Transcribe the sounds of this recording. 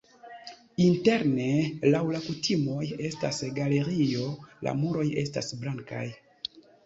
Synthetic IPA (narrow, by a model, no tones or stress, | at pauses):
inte̞ɾne̞lawlakutʰimo̞je̞stasɡale̞ɾio̞la̰muɾo̞je̞sta̰sblaŋka̰j